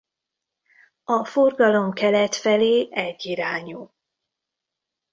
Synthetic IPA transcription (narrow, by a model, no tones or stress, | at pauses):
ɒfo̞rɡɒlo̞mkɛlɛt̪fɛleːʔɛɟːiɾaːɲul